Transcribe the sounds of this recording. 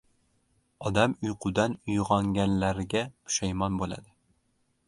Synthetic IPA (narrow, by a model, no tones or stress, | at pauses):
ɒd̪amʊjqʰʊd̪anʊjʁɒŋɡʲanlaɾɡʲapʰʊ̥ʃajmɒnbola̰d̪ɪ